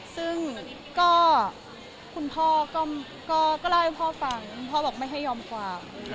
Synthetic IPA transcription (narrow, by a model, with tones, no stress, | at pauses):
sɯ˥˩ŋ | kɔː˥˩ | kʰu˧npʰɔː˥˩kɔː˥˩ | kɔː˥˩kɔː˥˩laː˧˥˩jpʰɔː˥˩fa˧ŋʰu˧npʰɔː˥˩bɛː˨˩k̚ma˥˩jɦa˥˩jːɔː˧mkʰwaː˧m